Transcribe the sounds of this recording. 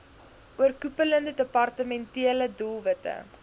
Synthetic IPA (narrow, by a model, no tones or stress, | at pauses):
ʔuərkupələndədəpɐrtəmɛntiələdulˠvətə̰